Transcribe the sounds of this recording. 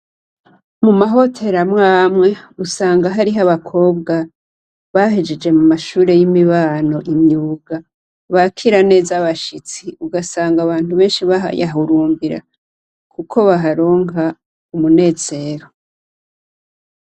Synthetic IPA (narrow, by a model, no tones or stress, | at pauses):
mumaɦo̞tʰe̞ɾamŋaːmŋe̞usaːŋɡaɦaɾiɦaβakʰo̞ːbɡa | βaɦed͡ʒe̞d͡ʒe̞mumaʃuːɾe̞jimiβaːno̞ʔiɲɲuːɡa | βakʰiɾane̞ːzaβaʃit͡siuɡasaːŋɡaβaːntuβe̞ːnʃiβaɦa̰ja̰ɦuɾuːmbiɾa̰ | kukʰo̞βaɦaɾo̞ːŋa | umune̞ːz̥e̞ɾo